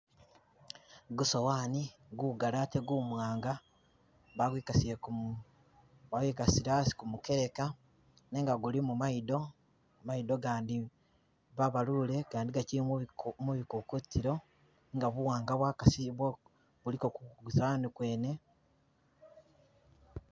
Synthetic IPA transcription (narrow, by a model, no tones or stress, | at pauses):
ɡusowaːniɡuɡalate̞ɡumwaːŋɡa | βaɡwiːkasiek | βawiːkasiɾasi̥kumuke̞ɾe̞ka | ne̞ŋɡaɡulimumaido̞ | maido̞ɡaːndi | βaβalule̞kaːndiɡacimuβikukutiɾo̞ | ŋɡaβuwaːŋɡaβwaːkasiβwo | βulikokuɡusaanikwe̞ːne̞